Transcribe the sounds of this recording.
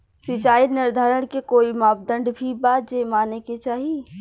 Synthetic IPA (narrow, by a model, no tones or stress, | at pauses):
sɪt͡ʃaːinɪɾd̪ʱaːɾəɽkekoːimaːp̚d̪ə̃ɳɖbʱibad͡ʒemaːneket͡ʃaːɦi